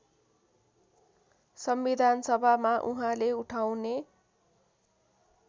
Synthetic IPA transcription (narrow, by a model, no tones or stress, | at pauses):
sʌmbid̪ʱansʌbʱamaʔuɦãleuʈʰawne